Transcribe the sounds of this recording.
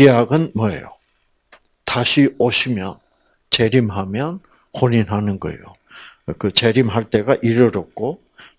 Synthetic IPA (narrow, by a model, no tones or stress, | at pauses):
ijaɡɯnmʌḛjo | taɕʰioɕʰimjʌn | t͡ɕe̞ɾimɦamjʌn | hoɲinɦanɯnɡʌḛjo | kɯt͡ɕe̞ɾimɦaɭt͈e̞ɡaʔiɾɯɾʌk̚k͈o